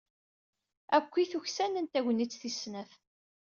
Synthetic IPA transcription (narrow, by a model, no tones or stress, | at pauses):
ækʷːiθuçsænənt̪æʝʷnːit͡sːθisnəθ